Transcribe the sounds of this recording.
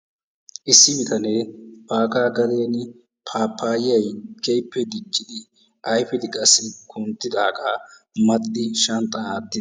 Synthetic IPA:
ʔɪsːɪmɪt̪ʰɐne̞ːb̥aːkaːɡɐd̪e̞ːnɪ | pʰaːpʰːaːjɪjɐjkɛjpːɛd̪ɪt͡ʃːɪd̪ɪ | ʔɐjfɪd̪ɪkʼɐsːɪkʰʊnt̪ːɪd̪aːkʼaː | mɐt̪ːɪʃɐnt̪ʼːɐnaːt̪ːɪd̪

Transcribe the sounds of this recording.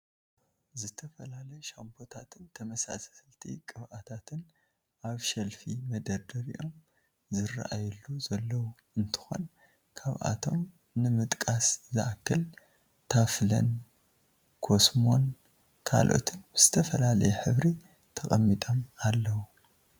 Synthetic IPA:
zɨt̪ʰɐfɐlalɐjʃampʰo̞t̪ʰat̪ʰɨnt̪ʰɐmɐsa̰slt̪ʰḭkʼɨβʔat̪ʰat̪ʰɨn | ʔaβʃɐlfimɐd̪ɐɾd̪ɐɾḭʔo̞m | zɨra̰ʔajulːuzɐlːɐwu | ɨnt̪ʰɨ̥xo̞̰n | kʰaβʔa̰t̪ʰo̞m | nɨmɨt̪ʼkʼaszɨʔakʰːɨl | t̪ʰaflɐ̰n | kʰo̞smo̞n | kʰa̰lʔo̞̰t̪ʰɨnz̥ɨt̪ʰɐfɐlalɐ̰jɛħɨβɾi | t̪ʰɐkʼɐmːit̪ʼomalːɐwu

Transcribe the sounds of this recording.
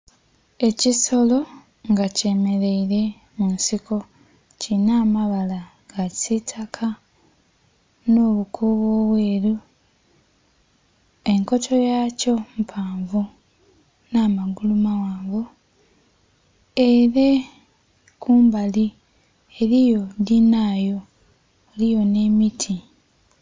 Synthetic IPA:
e̞ciso̞lo̞ | ŋɡace̞me̞ɾe̞iɾe̞ | munsiko̞ | cinaːmaβala | ɡ̥asitʰakʰa | noːβukʰuːβoːβweːɾu | e̞ŋko̞tʰo̞jaːco̞m̩pʰaːɱvu | naːmaɡulumawaːŋɡu | eɾe | kuːmbali | eɾijo̞dinaːjo̞ː | lijo̞ne̞ːmitʰi

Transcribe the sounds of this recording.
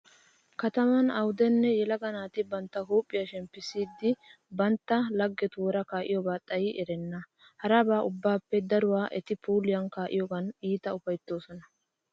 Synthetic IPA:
kɐt̪ɐmɐnɐwʊd̪ɛnːɛjɛlɐɡɐnaːt̪ɪbɐnt̪ːɐhuːpʼːɪjɐʃɛmpːɪsiːd̪ːɪ | bɐnt̪ːɐlɐɡːɛt̪ʊwɔɾɐkaːʔɪ̰jɔɡaːt̪ʼɐjɪʔɛɾɛnːɐ | hɐɾɐbaːʔʊbːaːpːɛd̪ɐɾʊwaːʔɛt̪ɪpʰuːlɪjɐnkaːʔɪjɔɡɐniːt̪ɐʊfɐjt̪ːo̞ːsɔnɐ

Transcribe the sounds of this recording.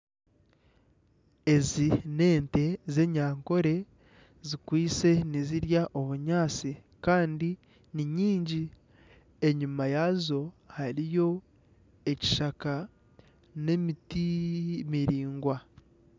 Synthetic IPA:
e̞zine̞ːnte̞ze̞ɲaːŋko̞ɾe̞ | zikwiːse̞niziɾjaʔo̞βuɲaːt͡si | kaːndi | niɲiːɲɟi | e̞ɲumajazo̞ | haɾijo̞ | eci̥ʃaka | ne̞mitimiɾiːŋɡwa

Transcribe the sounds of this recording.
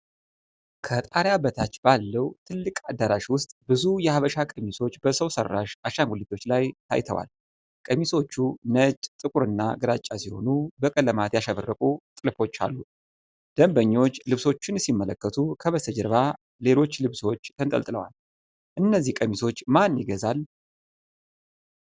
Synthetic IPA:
kʰət̪ʼaɾjabət̪ʰat͡ʃːbalːəwt̪ʰɨlːɨkʼad̪aɾaʃwʊst̪ʼbɨzujɛhaβəʃakʼəmiso̞t͡ʃːbəsəwsə̰rːaʃaʃaŋɡʷulit̪ʰːo̞t͡ʃːlajt̪ʰa̰jt̪ʰə̰wa̰l | kʼəmiso̞t͡ʃːunət͡ʃʼt̪ʼɨkʼuɾɨnːaɡɨɾat͡ʃʼːasiho̞̰nubəkʼəlːəmat̪jaʃaβərːəkʼut̪ʼɨlfo̞t͡ʃːa̰lːu | d̪̥əmbəɲːo̞t͡ʃːlɨβso̞t͡ʃːɪnsimːələkːət̪ʰukʰəβəst̪ʰəd͡ʒəɾβa | le̞lo̞t͡ʃːlɨβso̞t͡ʃːt̪ʰənt̪ʼə̰lt̪ʼlə̰wa̰l | ʔɨnːəzːihkʼəmiso̞t͡ʃːmanjɪɡəzal

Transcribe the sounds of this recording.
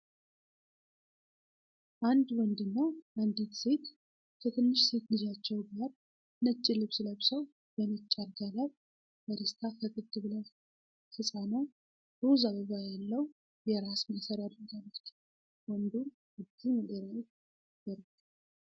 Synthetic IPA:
ʔand̪wɔnd̪ɨnːəwʔand̪it̪se̞t̪ | kʰət̪ʰɨnːɨʃse̞t̪lɨzat͡ʃːɛwɡaɾ | nət͡ʃʼːɪlɨβsɨləβsəw | bənət͡ʃʼːaɾɡ̪alaw | b̥əɾist̪ʰafəkʼɨd̪ɨβlə | fɨsʼano | d̪ozaβəɡajalːəw | jɛɾasməsəɾad̪ɾəɡalːət̪ | wɔnd̪uɾ | ɨd̪iməd̪eɾawet̪ | ɡəɾt̪

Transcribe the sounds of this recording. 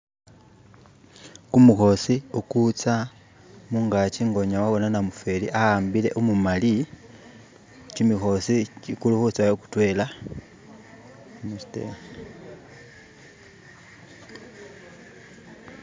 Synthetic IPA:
kumuxo̞siukut͡sa | muŋɡat͡ʃiŋɡo̞ɲawaβo̞nanamufe̞lḭʔaambile̞̰ʔumumali | t͡ʃimixo̞sit͡ʃikuluhut͡sajoku̥twe̞la | musi̥tḛm

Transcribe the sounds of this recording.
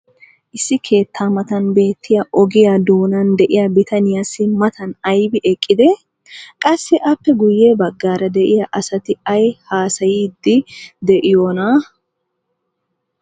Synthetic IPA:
ʔɪsːɪkʰe̞ːt̪ʰːaːmɐt̪ɐnbe̞ːt̪ʰːɪjɐʔɔɡɪjad̪o̞ːnɐnd̪ɛʔɪjɐbɪt̪ɐnɪjaːsɪmɐt̪ʰɐnɐjbɪʔɛkʼːɪd̪ɛ | kʼɐsːɪʔɐpːɛɡʊjːe̞ːbɐɡːaːɾɐd̪ɛʔɪjɐʔɐsɐt̪ɪɐjhaːsɐjiːd̪ːɪd̪ɛʔɪjoːna

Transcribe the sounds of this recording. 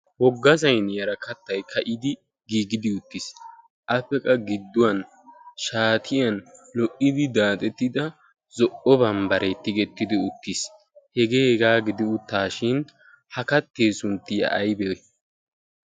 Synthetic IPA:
wɔɡːɐzɐjnjɐɾɐkɐt̪ːɐjkʰɐʔɪd̪ɪ | ɡiːɡɪd̪ɪʊt̪ːis | ʔɐpːɛkʼɐɡɪd̪ːʊwɐn | ʃaːt̪ʰɪjɐnlɔʔːɪd̪ɪd̪aːt̪ʼɛt̪ːɪd̪ɐ | zɔʔɔbɐmbɐɾet̪ːɪɡɛt̪ːɪd̪ɪʊt̪ːis | hɛɡe̞ːhɛɡaːɡɪd̪ɪʊt̪ːaːʃɪn | hɐkɐt̪ːe̞ːsʊnt̪ːɪjɐ̰ʔːjbɛ

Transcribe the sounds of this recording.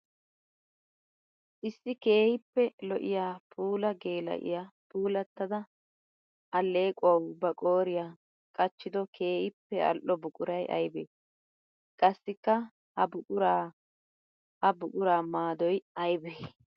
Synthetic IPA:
ʔɪsːɪke̞ːhɪpːɛlɔʔɪ̰jaːpʰuːlɐɡe̞ːlɐ̰ʔɪ̰jaːpuːlɐt̪ːɐd̪ɐ | ɐlːe̞ːkʼʊɐwbɐkʼo̞ːɾɪjaː | kʼɐt͡ʃːɪd̪ɔkʰe̞ːhɪpːɛɐ̰lʔːɔbʊkʼʊɾɐjɐ̰jbḛː | kʼɐsːɪkːɐ | hɐbʊkʼʊɾaː | hɐbʊkʼʊɾaːmaːd̪ɔjɐjbeː

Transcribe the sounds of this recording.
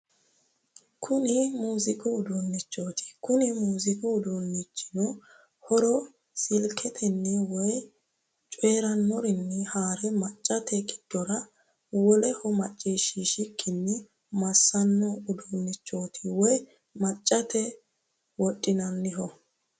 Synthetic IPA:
kʰʊnɪmuːzɪkʼʊʊd̪ʊnːɪt͡ʃːoːt̪ɪ̥kʊnɪmuːzɪkʼʊːd̪unːɪt͡ʃːɪ̥nɔ | hɔɾɔ | sɪlkʰɛt̪ʰɛnːɛwɔj | t͡ʃʼeːɾɐnːɔɾɪnːɛhaːɾɛmɐt͡ʃʼːɐt̪ʰɛɡɪd̪̥ːɔɾɐ | wɔlɛhɔmɐt͡ʃʼːiːʃiʃɪkʰːɪnːɪ | mɐsːɐnːɔʊd̪unːɪt͡ʃːo̞ːt̪ʰɪwɔj | mɐt͡ʃʼːɐt̪ʰɛ | wɔtʼːɪnɐnːɪɦɔ

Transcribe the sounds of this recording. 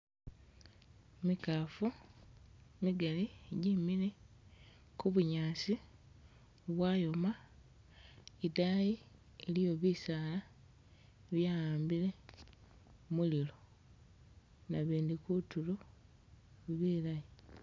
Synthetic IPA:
mikaːfu | miɡaliɟimile̞ | kuβuɲaːsi | βwajo̞ma | idaji | elijo̞βisaːla | βjaːjaːmbile̞ | mulilo | naβiːndikutulo | βiːlaji

